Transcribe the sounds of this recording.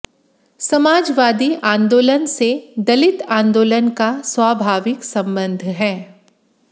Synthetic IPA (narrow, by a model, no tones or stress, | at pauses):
sɐmaːd͡ʒʋaːd̪iʔãːnd̪oːlənsed̪ɐlɪt̪ãːnd̪oːlənkaswaːbʱaːʋɪksɐ̃mbə̃nd̪ʱɦɛː